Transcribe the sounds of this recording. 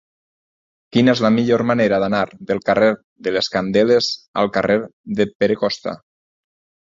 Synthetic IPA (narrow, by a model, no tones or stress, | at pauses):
kinezləmiʎoɾmaneɾaðanaɾðəlˠkarʔeɾ | ðəleskand̪elezə̰lˠkareɾðəpeɾekɔst̪a̰